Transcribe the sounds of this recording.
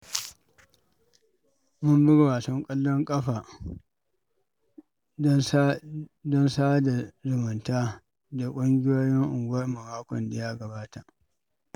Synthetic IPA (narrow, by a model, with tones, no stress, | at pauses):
mʊ˦mbɪ˦ɡwaː˨tɔ˦ŋkʼɐ˦lːɔ˦ŋkʼɐ˦ɸaː˨˦ | dɔ˦nsaː˦da˨zʊ˨mʊ˨ntaː˦ | da˨kʷʼʊ˦ŋɡʲɪ˦joː˦jɪ˦ŋʔʊ˨ŋɡʷwɐ˦rmɐ˨maː˦kʷɔ˨nda˨ja˦ɡɐ˨baː˦ta˨ʔ